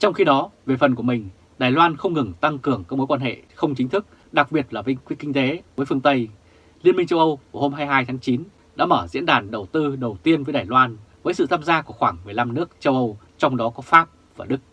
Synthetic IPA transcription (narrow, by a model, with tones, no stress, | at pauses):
t͡ɕɔ˧wŋ͡mxi˧ɗɔ˨˦ve˨˩fə˨˩nku˧˩əmï˨˩ŋ̟ | ɗaː˨˩jlwaː˧nxə˧wŋ͡mŋɨ˨˩ŋt̪a˧ŋkɨ˨˩əŋkaː˦˥k̚mo˨˦jkwaː˧nhḛ˧˨xə˧wŋ͡mt͡ɕï˨˦ŋ̟t̪ʰɨ˦˥k̚ | ɗa˨˩k̚ɓi˨˩ət̚laː˨˩vï˧ŋkwkï˧ŋ̟t̪e˨˦vəː˨˦jfɨ˧əŋt̪ə˧j | li˧ənmï˧ŋ̟t͡ɕə˧wʔə˧wku˧˩ho˧mɦaː˧jɦaː˧jt̪ʰaː˨˦ŋt͡ɕi˨˦n | ɗa̰ː˧˥məː˧˩zḭ˧˥ənɗaː˨˩nɗə˨˩wt̪ɨ˧ɗə˨˩wt̪i˧ənvəː˨˦jɗaː˨˩jlwaː˧nvəː˨˦sɨ̰˧˨t̪ʰaː˧mzaː˧ku˧˩əxwaː˧˩ŋmɨ˨˩əjla˧mnɨ˦˥ək̚t͡ɕə˧wʔə˧w | t͡ɕɔ˧wŋ͡mɗɔ˨˦kɔ˨˦faː˦˥p̚ | vaː˨˩ɗɨ˦˥k̚